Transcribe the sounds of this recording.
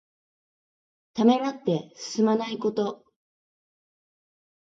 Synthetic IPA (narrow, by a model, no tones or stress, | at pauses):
t̪ame̞nat̪ːe̞sɨ̥sɨmanaiko̞t̪o̞